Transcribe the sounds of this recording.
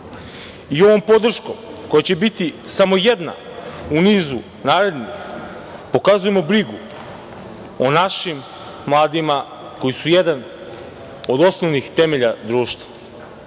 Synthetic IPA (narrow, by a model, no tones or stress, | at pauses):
io̞ʋo̞mpo̞d̪r̩ʃkomko̞jat͡ɕe̞bit̪isamo̞jed̪na̰ | uniːzu | naːɾe̞d̪nix | po̞kazuje̞mo̞bɾiɡu | onaʃimː | lˠaːd̪ima | ko̞jisujed̪an | o̞d̪o̞snoʋnixt̪e̞me̞ʎad̪ɾuːʃt̪vḁ